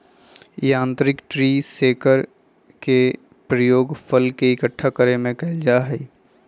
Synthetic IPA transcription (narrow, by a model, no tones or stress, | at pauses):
jãːnt̪ɾɪkʈɾiːseːkəɾ | ke | pɾəjoːɡpʰəlkeɪkəʈʰːakəɾemẽkɐld͡ʒaːɦɛi